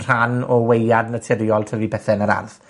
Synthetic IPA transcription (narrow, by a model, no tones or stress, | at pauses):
r̥anɔwejadnətʰɪɾjɔlˠtʰəvibɛθɛnəɾa̰rθ